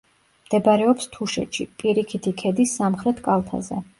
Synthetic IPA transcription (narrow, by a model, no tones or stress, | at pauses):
md̪̥ɛbaɾɛɔpst̪ʰuʃɛt̪ʃḭpʼiɾikʰit̪ʰikʰɛd̪isːamχɾɛt̪ʰkʼalˠt̪ʰa̰zɛ